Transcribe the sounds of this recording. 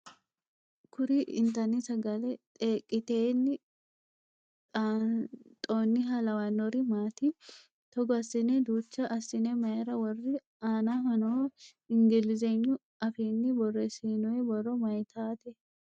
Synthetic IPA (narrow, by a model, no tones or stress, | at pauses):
kʰʊɾiɪ̰nt̪ɐnɪsɐɡɐlɛt̪ʼeːkʼːɪt̪eːnːɪ | t̪ʼoːnːɪɦɐlɐwɐnːɔɾɪmaːt̪i | t̪ɔɡɔɐsɪnɛd̪uːt͡ʃːɐʔɐsɪnɛmɐjɛɾɐwɔrːɪ | aːnaɦɔnoː | ɪŋɡɪlɪzeɲːʊ | ɐfeːnːɪbɔrːɛseːnɔɛbɔrɔmɐjt̪ʰaːt̪ɛ